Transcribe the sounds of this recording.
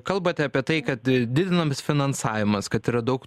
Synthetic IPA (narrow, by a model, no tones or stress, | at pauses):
kɐlˠbɐt̪ʲɑːpʲiɛt̪ɐɪkɐt̪d̪ʲɪd̪ʲɪnɐmsfʲɪnɐnsɑːʋʲɪmɐskɐt̪iːɾɐd̪ɐʊk